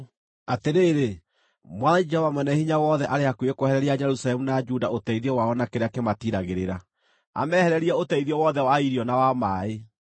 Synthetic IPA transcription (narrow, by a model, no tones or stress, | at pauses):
ateɾeːɾe | mwaðaid͡ʒɛhɔvamwɛnɛhiɲawɔːðɛʔaɾeakuekohɛɾɛɾiad͡ʒɛɾusalɛmunad͡ʒudaotɛiðiɔwaɔnakeɾeakematiɾaɣeɾeɾa | a̰mɛhɛɾɛɾiɛotɛiðiɔwɔðɛwaiɾiɔnawamaːe